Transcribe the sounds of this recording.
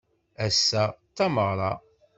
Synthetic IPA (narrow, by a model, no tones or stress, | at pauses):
æsːæt̪ːæməʁɾˤɑ̰